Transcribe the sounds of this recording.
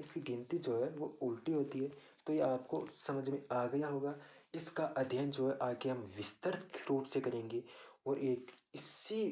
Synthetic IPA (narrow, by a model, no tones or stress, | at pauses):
ɪskiɡɪ̃nt̪id͡ʒoːɦɛʋoʊlʈiɦoːt̪iɦɛː | t̪ojeaːp̚kosɐməd͡ʒʱmẽaːɡɐjaɦoːɡaːɪskaʔɐd̪ʱjənd͡ʒoːɛʔaːkeɦɐmʋɪst̪əɾt̪ʰɾuːpsekɐɾẽːŋɡeɔːɾeːkɪsːi